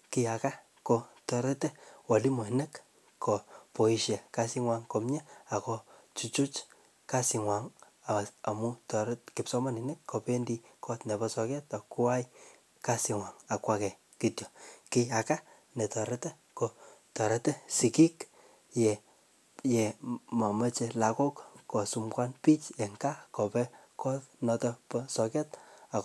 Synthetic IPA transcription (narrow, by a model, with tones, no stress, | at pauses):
kɪa˨ka˦ | ko˧tɔ˨ɾɛ˦tɛ˦wa˨li˦mɔ˨i˨nɛk | kɔ˨po˨i˨ʃja˨ka˦si˦ŋwa˧ŋko˨mɲɛ˦a˨kɔ˧ | t͡ʃu˦t͡ʃu˦t͡ʃ | kasi˨ŋwa˨ŋ | a˨a˨mu˦tɔ˨ɾtkɪ˨psɔ˦ma˦ni˨nɛ˦kːo˨pe˦ndikɔ˦tnɛ˨bɔsɔ˨kɛ˦ta˨ku˦a˦j | ka˦si˨ŋwa˨ŋa˨kwa˦kɛ˨ | ki˨tjɔ˨kɪa˨ka˦ | nɛ˨tɔ˨ɾɛ˦tɛ˦ | ko˨tɔ˨ɾɛ˦tɛ˦si˨ki˦k | jɛ | jɛ˨ma˨mə˦t͡ʃe˧la˨kɔ˦kkɔ˨su˧mkwa˦npi˦t͡ʃɛ˨ŋka˦kɔ˨pɛ˦kɔ˦tnɔ˧tɔ˧pɔ˦sɔ˧kɛ˦ta˨